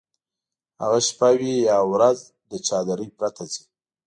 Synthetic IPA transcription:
ha̰ɣaʃpawijɑwɾaz | d̪ət͡ʃɑd̪aɾəjpɾat̪azi

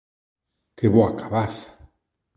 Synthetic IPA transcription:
keβoakaβaθḁ

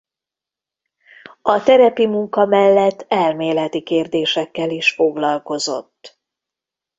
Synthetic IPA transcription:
ɒt̪ɛɾɛpimuŋkɒmɛlːɛt̪ːɛlmeːlɛt̪ikeːrd̪eːʃɛkːɛliʃfo̞ɡlɒlko̞zo̞̰t̪ː

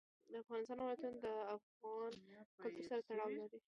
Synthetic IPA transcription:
d̪əafɣɑnɪst̪ɑnawlat̪unod̪əafɣɑnkʊlt̪uɾsaɾat̪aɽɑwlaɾi

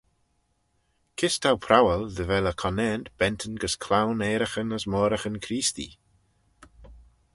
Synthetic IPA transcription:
kʰɪstʰawpʰɾawəlðəvɛləkʰɔnɛndb̥ɛntʰənɡəskʰlawneːɾəxənəsmɔːɾəxənkʰɾiːst̪ḭ

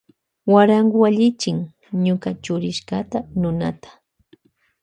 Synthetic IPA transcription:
waɾaŋɡʊaʎɪt͡ʃɪŋ | ɲʊkat͡ʃʊɾɪʃkat̪anʊna̰t̪ḁ

